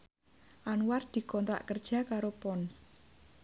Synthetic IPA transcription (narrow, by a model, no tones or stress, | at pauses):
ʔanward̪̥i̤kɔnt̪ɾa̰ʔkərd̥ʒ̥a̤kaɾopɔns